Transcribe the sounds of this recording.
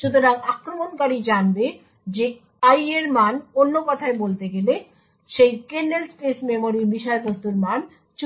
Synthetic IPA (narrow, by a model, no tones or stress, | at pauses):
ʃud̪ʱoɾaɡakɾomonkaɾid͡ʑanbe | d͡ʑe | ajeɾmanonːokɔt̪ʰaebolt̪eɡele | ʃejkenɖelspesmemoɾibiʃaɾbʱost̪uɾman | t͡ɕ